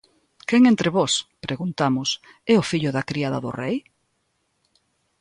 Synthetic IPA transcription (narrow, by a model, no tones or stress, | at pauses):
keŋent̪ɾeβɔspɾʔeɣunt̪amʊs | ɛʊfiʎʊðɐkɾiaðɐðʊ̰rej